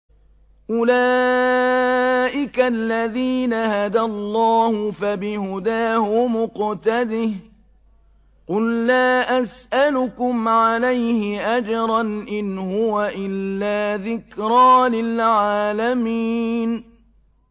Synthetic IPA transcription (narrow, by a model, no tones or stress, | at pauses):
ʔʊlaː | ʔɪkalːaðiːnahad̪alˤːɑːhʊfabɪhʊd̪aːhʊmʊqt̪ad̪ɪh | qʊlːaːʔasʔalʊkʊmʕalajhɪʔad͡ʒɾˤɑnʔɪnhʊwaʔɪlːaːðɪkɾˤɑːlɪlʕaːlamiːn